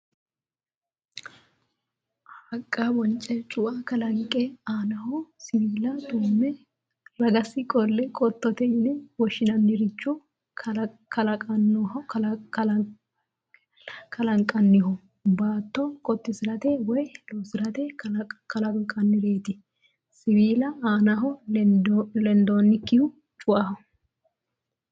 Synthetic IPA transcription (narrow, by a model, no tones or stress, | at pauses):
hɐkʼːabɔnt͡ʃʼɛt͡ʃʼʊʔakɐlɐŋkʼːɛaːnɐɦɔsɪlːɐd̪uːmːɛ | ɾɐɡɐsɪkʼɔlːɛkʼɔt̪ːɔt̪ɛɪnɛwɔʃːɪnɐnːɪɾɪt͡ʃːu | kɐlɐkʼɐnːɔhɐ | kʰɐlɐŋkʼɐnːɪhɔ | baːt̪ːɔkʼɔt̪ːɪsɪɾɐt̪ɛwɔjlɔsɪɾɐt̪ɛkɐlɐkʼɐnːɪɾe̞ːt̪ɪ | sɪbiːlɐaːnaɦɔ | lɛnd̪onːɪkːɪhʊ | t͡ʃʼʊʔɐhɔ